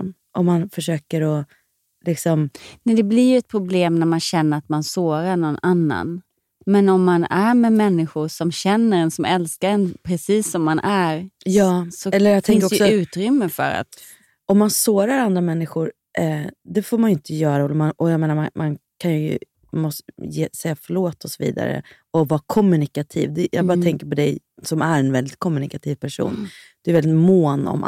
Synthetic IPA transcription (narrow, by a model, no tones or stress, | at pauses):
ʔɔmːanfœʂøːkəɾɔ | lɪksɔmnɛd̪ɛblɪɾjɵɛt̪̚pʰɾʊbleːmnæɾmanɕɛnːəɾat̪mansoːɾaɾɳɔnanːa̰n | mɛnɔmːanæɾmɛmɛnːɪɧʊɾsɔmɕɛnːəɾɛnsɔmɛlskaɾɛnpʰɾɛsiːsːɔmːanʔæɾjɑːsɔɛlːəɾjaɡt̪ʰɛɪnkdɔkəsɔʉ̟ːt̪ɾʏmːəfœ̰ɾa̰t̪ | ɔmːansoːɾaɾand̪ɾamɛnːɪɧʊɾ | ʔɛd̪ɛfoːɾmanjʏnt̪əjœːɾaɛlɛɾmanʔɔjaɡmeːnamamankʰanjəjɵ̰ | mɔst̪jeːsɛjːafœɭoːt̪ʰːɔsɔvḭːd̪a̰ɾə̰ | ɔvɑːkʰɔmːʉnɪkat̪ʰḭːvd̪ɛjʔɑ̰ɡbɑɾt̪ʰɛŋkəɾpɔd̪ɛj | sɔmæɾɛnvɛld̪ɪt̪̚kʰɔmːʉnɪkat̪ʰiːvpʰæʂṵːnd̪̥ɛɾvɛlɪt̪moːnɔ̰m